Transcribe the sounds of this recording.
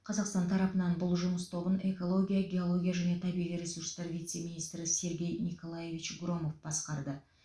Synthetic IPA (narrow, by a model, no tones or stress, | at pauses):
qʰɑzɑqst̪ɑnt̪ʰɑɾɑpənɑnbʊlˠʒʊməst̪ʰo̞bəne̞ko̞lˠo̞ɡʲijaɡʲe̞o̞lˠo̞ɡʲijaʒæne̞t̪ʰɑbiʁijɾe̞suɾst̪ɑɾvijt̪se̞minijst̪ɾɪse̞ɾɡʲe̞jniko̞lˠaje̞vʲit͡ʃɡro̞mo̞fb̥ɑsqɑɾd̪ə